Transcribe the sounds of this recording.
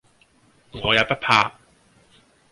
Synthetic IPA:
ŋɔː˨˧jaː˨˧wpɐ˥t̚pʰaː˧

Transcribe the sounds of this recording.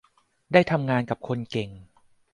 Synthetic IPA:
daː˥˩jt̪ʰa˧mŋaː˧nka˨˩p̚kʰo˧nke˨˩ŋ

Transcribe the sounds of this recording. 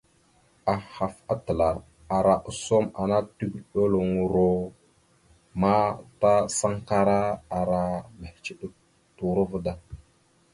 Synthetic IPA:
a˨ha˨fa˦tə˨la˨ɾ | a˨ɾa˨ʔə˨so˦ma˨na˦tu˦ɡɗo˦lo˨ŋu˨ɾo˦ | ma˦ta˦sa˦ŋka˦ɾa˦a˨ɾa˨ma˨ht͡ʃi˦ɗə˦ | tu˨ɾu˦və˦da˨

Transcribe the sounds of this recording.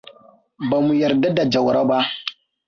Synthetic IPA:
ba˨mu˨jɐ˨ɾda˦da˨d͡ʒa˨wɾa˦ba˦

